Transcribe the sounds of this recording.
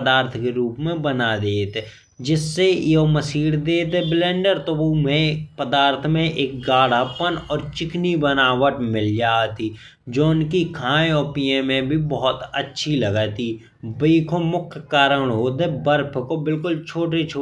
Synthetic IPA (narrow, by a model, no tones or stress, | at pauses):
d̪aːɾt̪ʰkeɾuːpmẽbənad̪eːt̪ | d͡ʒɪsːejoməsiːɽd̪eːt̪eblẽːɳɖəɾt̪oʋomẽpəd̪aːɾt̪ʰmẽʔeːk̚ɡaːɽ̤apənɔːɾt͡ʃɪknibənaːwəʈmɪld͡ʒaːt̪i | d͡ʒoːʊnkikʰãːẽɔːpiemẽbʱibɔɦɔt̪ətːʃʰiləɡət̪i | bəikʰomʊkʰjkaːɾəɽ̃ɦoːt̪ebəɾpʰkobɪlkʊlt͡ʃʰoːʈet͡ʃʰoː